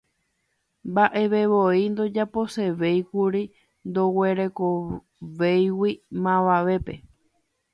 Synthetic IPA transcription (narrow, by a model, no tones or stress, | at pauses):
mbaʔe̞ʋe̞βoind̪o̞d͡ʒapo̞se̞ʋe̞jkuɾi | nd̪oweɾe̞ko | ʋejwimãʋaʋe̞pe̞